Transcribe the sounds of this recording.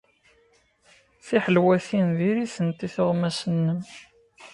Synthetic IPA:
θiħəlwæθinðiɾiθənt̪iθʊʁmæsənːəm

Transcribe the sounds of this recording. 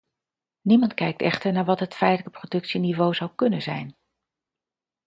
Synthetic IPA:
nimɑntkɛjk̚tɛχtəɹnaːɹʋɑtɦətfɛjtələkəprodɵksinivowzɑwkɵnənzɛ̰jn

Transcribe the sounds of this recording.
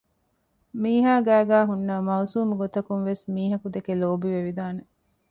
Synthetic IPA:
miːɦaːɡæːɡæːɦunːɐmɐusuːmuɡot̪ɐkunʋesmiːɦɐkud̪ekeloːbiʋeʋid̪aːne

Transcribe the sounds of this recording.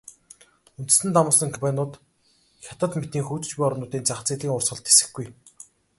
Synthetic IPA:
unt̪ɘ̆sɘ̆nt̪amʊːsə̆ŋkʰmpanʊːt̪ | xʲat̪ə̆t̪met̪iːŋxuːt͡ɕɘ̥̆t͡ɕpijɔɾnʊːt̪iːnt͡saχt͡siːɮiːŋʊrsχɞ̆ɮt̪e̥sɘ̆xɡuj

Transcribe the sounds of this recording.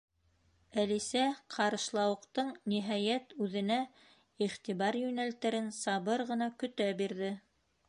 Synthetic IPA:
ælisæqʰɑɾɤ̆ʃlˠɑwɤ̆qt̪ɤɴniɦɑjæt̪ʉðɘ̆næ | iχt̪iβɑɾjɵ̆nælt̪æɾɘnsɑβɤɾʁɤ̆nɑkɵ̆t̪æbiɾðɘ

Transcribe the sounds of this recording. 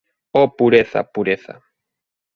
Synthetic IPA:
ɔpuɾeθa̰puɾeθa̰

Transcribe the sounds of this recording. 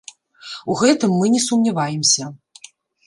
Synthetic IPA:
uɣɛt̪ɨmːɨnʲɛsumnʲavajɛmsʲɐ

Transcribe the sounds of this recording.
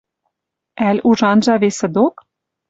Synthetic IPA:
ælʲuʒɑnʒɑβesɘ̆d̪ok

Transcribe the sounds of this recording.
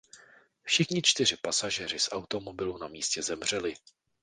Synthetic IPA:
fʃɪxɲɪt͡ʃt̪ɪr̝ɪpasaʒɛr̝ɪsʔawt̪o̞mo̞bɪlunamiːscɛzɛmr̝̥ɛlɪ

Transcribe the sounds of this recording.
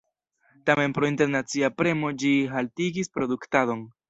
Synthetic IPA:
tame̞npɾo̞inte̞ɾnat͡siapɾe̞mo̞d͡ʒiɦaltiɡispɾo̞duktado̞n

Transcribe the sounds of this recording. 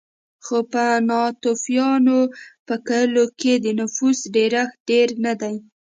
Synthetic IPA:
xopənɑt̪ofjɑnopəkəəloked̪ənʊfusɖeɾaxɖeɾnad̪aj

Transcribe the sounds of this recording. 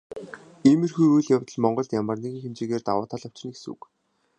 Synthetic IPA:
iːmerxuːɾujɮjawt̪ə̆ɮmɔɴɢɞ̆ɮt̪jamə̆rneɣĭːŋxemt͡ɕeːɣeːrt̪awʊːt̪ʰaɮɔw̥t͡ɕɪ̆niksṵk

